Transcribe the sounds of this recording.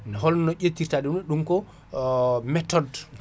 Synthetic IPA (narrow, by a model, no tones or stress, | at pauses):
nɛɦɔlnɔʔetːiɾtaɗiɛɗumkɔ | mɛtɔd